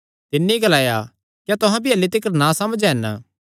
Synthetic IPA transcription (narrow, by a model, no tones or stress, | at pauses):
t̪ɪnːeiiɡɐlaːja | kjat̪ʊɦãbiɐlːet̪ɪkəɾnãsɐməd͡ʒɦɛn